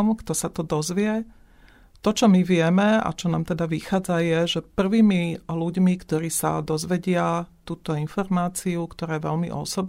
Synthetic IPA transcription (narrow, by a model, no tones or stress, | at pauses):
mkt̪ɔsat̪ɔd̪ɔzʋɪɛ | t̪ɔt͡ʃɔmiʋɪɛmɛa̰t͡ʃɔnaːmt̪ɛd̪aʋixaːd͡zajɛʒɛpr̩ʋiːmiluɟmikt̪ɔɾiːsa̰d̪ɔzʋɛɟɪat̪uːt̪ɔinfɔɾmaːt͡siukt̪ɔɾaːɛʋɛ̰ʎmḭʔɔ̰sɔb